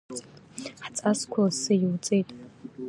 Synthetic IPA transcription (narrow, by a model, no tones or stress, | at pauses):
ħt͡sʼaskʷʰasɨjiwt͡sʼejtʼ